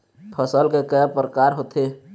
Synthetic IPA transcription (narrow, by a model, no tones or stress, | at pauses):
pʰəsəlkekɛpɾəkaːɾɦot̪ʰe